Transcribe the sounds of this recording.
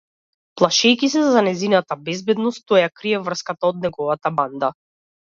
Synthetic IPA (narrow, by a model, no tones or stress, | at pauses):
plˠaʃɛjkisɛzzanɛzinat̪abɛzbɛd̪nɔst̪t̪ːɔjakɾiɛvr̩skat̪aɔd̪nɛɡɔvat̪aband̪a